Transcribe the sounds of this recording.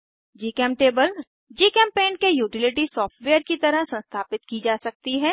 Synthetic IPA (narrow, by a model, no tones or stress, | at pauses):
d͡ʒiːkɛ̃ːmʈeːbəl | d͡ʒiːkɛ̃ːmpẽːnkejuːʈɪlɪʈisɔːfʈʋeːjəɾkit̪ɐɾəɦsɐ̃nst̪ʰaːpɪt̪kid͡ʒaːsɐk̚t̪iɦɛː